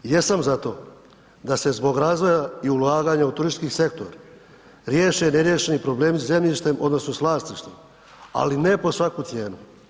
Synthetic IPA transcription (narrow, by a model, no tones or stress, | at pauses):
jesamzat̪o̞ː | d̪ase̞zbo̞ɡɾaːzʋo̞jaiulaːɡaːɲaut̪uɾiskise̞k̚t̪o̞ɾa | ɾjeːʃeneɾje̞ʃenipɾo̞bleːmsze̞mʎiʃt̪e̞mʔo̞̰d̪no̞snosʋlˠaːst̪iʃt̪em | a̰linepo̞sʋakut̪sje̞ːnu